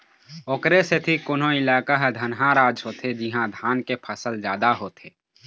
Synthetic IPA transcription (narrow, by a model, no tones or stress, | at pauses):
oːkɾeset̪ʰikʊnõɪlaːkaɦd̪ʱənɦãɾaːd͡ʒɦoːt̪ʰed͡ʒɪɦãd̪ʱaːnkepʰəsəld͡ʒjaːd̪aɦoːt̪ʰeː